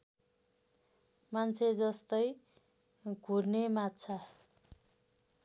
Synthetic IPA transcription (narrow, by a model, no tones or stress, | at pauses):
mant͡sʰed͡zʌst̪ʌj | ɡʱurnemat̪t͡sʰʌ